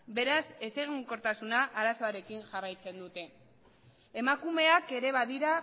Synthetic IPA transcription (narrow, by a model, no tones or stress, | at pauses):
be̞ɾase̞se̞ɣiŋko̞ɾt̪asunaʔaɾaso̞aɾe̞kinʝarajt͡se̞nd̪ut̪e̞ː | makume̞ake̞ɾe̞βaðiɾa